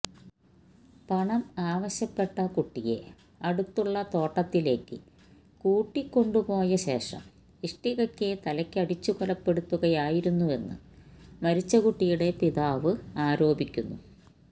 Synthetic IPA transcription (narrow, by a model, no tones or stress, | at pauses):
pɐɳɐmaːʋɐɕjɐpːe̞ʈːɐkuʈːije̞̰ | ɐɽut̪ːuɭːɐt̪o̞ːʈːɐt̪ːile̞ːkːɨ | kuːʈːikːo̞ɳɖupo̞ːjɐɕe̞ːʂɐ̰m | iʂʈiɣɐkʲːet̪ɐlɐkʲːɨɐɽit͡ɕːukɔlɐpːe̞ɽut̪ːuɣɐjaːjiɾunːue̞nːɨ̰mɐɾit͡ɕːɐɣuʈːijuɽe̞piðaːʋɨaːɾo̞ːbikʲːunːṵ